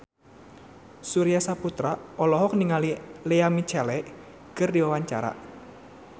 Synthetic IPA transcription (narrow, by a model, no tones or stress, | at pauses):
suɾijasaput̪ɾaʔɔlɔɦɔk̚niŋalileamit͡ʃalɛʔ | kərdiwawaɲt͡ʃa̰ɾa̰ʔ